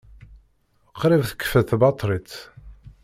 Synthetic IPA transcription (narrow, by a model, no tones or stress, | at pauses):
qɾɪvθə̥kːə̥fæθbɑt̪ˤɾˤit͡s